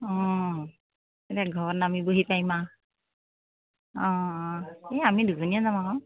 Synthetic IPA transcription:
ɔ | etaɡʱɔbɔnamiboɦipajma | ɔ̃ | eamiduzɔnijazamaɦɔ̃

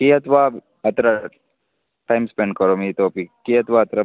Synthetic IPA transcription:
kiɐt̪ʋaː | ɐt̪ɾɐ | ʈaːɪmspẽɳɖkɐɾoːmit̪opikiɐt̪ʋaɐt̪ɾɐ

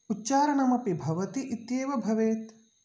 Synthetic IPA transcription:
utːt͡ʃaːɾɐɳɐmɐpibʱɐʋɐt̪iʔit̪jeːʋɐbʱɐʋeːt̪

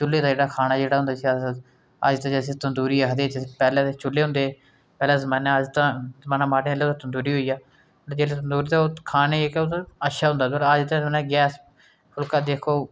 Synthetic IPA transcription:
t͡ʃʊlːeːt̪ãːd͡ʒeːɽaːkʰaːnaːd͡ʒeːɽaːʊ̃nd̪aːsi | ə̰d͡ʒt̪ãːd͡ʒəsẽt̪ənd̪uːɾiːaːkəd̪eːt͡ʃpɛːlɛ̃ːt͡ʃʊlːeːɦʊ̃nd̪eː | pɛːlɛ̃ːzəmaːnãd͡ʒt̪ãːzəmaːnãːmaːɽẽːleot̪ãt̪ənd̪uːɾiːɦoːiːaː | d͡ʒeːlet̪ənd̪uːɾiːt̪aːkʰaːneːekot̪ːətːʃʰaːɦʊ̃nd̪aːd̪ələd͡ʒt̪ãːzaːnɛːɡɛːs | pʰʊlkaːd̪eːkʰoː

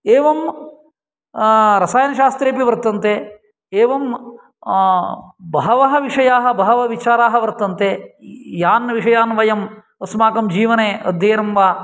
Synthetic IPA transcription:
eːʋɐm | ɾɐsaːjɐnɐʃaːst̪ɾeːpiʋɐɾt̪ɐnt̪eː | eːʋɐm | bɐɦɐʋɐɦɐʋiʂɐjaːɦɐ̆bɐɦɐʋɐʋit͡ʃaːɾaːɦɐʋɐɾt̪ɐnt̪eːjaːnʋiʂɐjaːnʋɐjɐm | ɐsmaːkɐmd͡ʒiːʋɐneːɐ̰d̪ʱjeːɐɾɐmʋaː

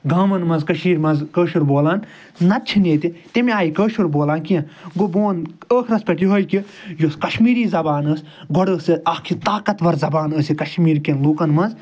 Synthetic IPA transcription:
ɡaːmɐnmɐnzkɐʃmiːɾmɐnzkəːʃuɾboːlaːnː | ɐt̪̚t͡ʃʰineːt̪it̪emiaːjikəːʃuɾboːlaːnkijɐ̃ɡoboːnəːkʰɾɐspʲɐʈiɦoːjki | joskɐʃmiːɾiːzɐbaːnəːs | ɡoɽəːsɨɐkʰit̪aːkɐt̪ʋɐɾzɐbaːnəːsikɐʃmiːɾkenluːkɐnmɐnz

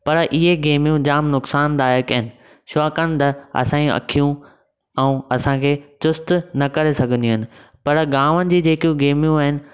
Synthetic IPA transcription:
pɐɾʔɪɦeɡeːmijũd͡ʑaːmnʊksaːnd̪aːekɐɦɪnɪ̆ | ʃɔːkənɪt̪ɐɐ̰sãːĩɐ̰kʰijũ | ɛ̃ːɐsãkʰeːt͡ɕʊst̪nɐkɐɾesɐɡʱə̃nd̪iʊnɪ̆ | pɐɾɡaːʋənɪ̆d͡ʑiːd͡ʑeːkijũɡeːmjũaːɦɪnɪ̆

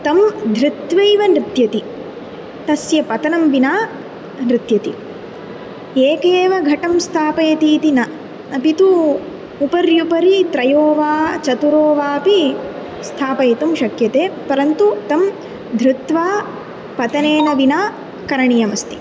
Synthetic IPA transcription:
t̪ɐmd̪ʱɾɪt̪ʋɐjʋɐnɾɪt̪jɐt̪i | t̪ɐsjɐpɐt̪ɐnɐmʋinaː | nɾɪt̪jɐt̪ḭ | eːkeːʋɐɡʱɐʈɐmst̪ʰaːpɐjɐt̪iːt̪inɐ | ɐpit̪uː | pɐɾjupɐɾit̪ɾɐjoːʋaːt͡ʃɐt̪uɾoːʋaːpi | st̪ʰaːpɐjɐt̪umʃɐkjɐt̪eːpɐɾɐnt̪ut̪ɐm | d̪ʱɾɪt̪ʋaː | pɐt̪ɐneːnɐʋinaː | kɐɾɐɳijɐmɐst̪i̥

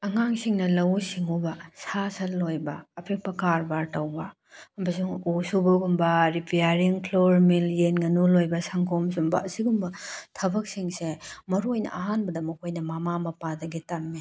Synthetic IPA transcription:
ɐŋaŋsiŋnɐlɐwsiŋubɐsasɐllːojbɐːpʰek̚pɐkaɾbaɾtɐwbɐ | bɐs̬uŋusubɐɡumbɐɾipʰejaɾiŋkʰloɾmiljenŋɐnulojbɐsaŋkʰoms̬umbɐɐsiɡumbɐtʰɐbɐk̚siŋsemɐɾojnɐ̰ʔɐɦanbɐdɐmɐkʰojnɐmamamɐpadɐɡitɐmːi

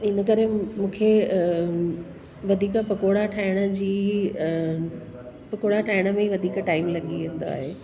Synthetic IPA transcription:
ɪnəkɐɾẽmũːkʰe | ʋɐd̪ʱiːkəpɐkoːɽaʈʰaːɪɽ̃ə̆d͡ʑiː | pɐkoːɽaʈʰaːɪɽ̃ə̆mẽiʋɐd̪ʱiːkʈaːɪmlɐɠiʋĩːn̆d̪oa̰ːɦeː

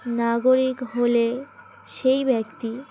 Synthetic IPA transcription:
naɡoɾikɦole | ʃejbʱɛkt̪i

